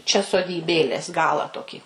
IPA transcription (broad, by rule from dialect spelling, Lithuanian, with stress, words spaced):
t͡ʃʲɛ soːdʲiːˈbʲeːlʲeːs ˈɡɑːlˠɑː ˈtoːkʲiː